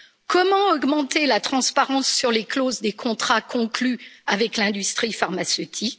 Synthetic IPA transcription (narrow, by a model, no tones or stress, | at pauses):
kɔmɑ̃ɔɡmɑ̃t̪elat̪χɑ̃spaʁɑ̃sːyʁleklozd̪ekʰɔ̃t̪χakɔ̃klyavɛklɛ̃d̪yst̪χifaʁmasøt̪ʰik